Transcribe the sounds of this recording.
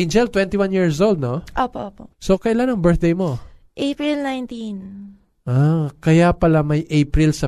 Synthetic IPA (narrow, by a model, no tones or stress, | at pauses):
ɪnd͡ʒɛlt̪wɛnt̪iwãnjiɹsʔowld̪̚noʔoːpoʔoːposokɐʔɪlanɐŋbɛɹθ̚d̪ejmo̞ | ʔejpɹilnajnt̪in | ʔakɐjapɐlamɐjʔejpɾilsɐ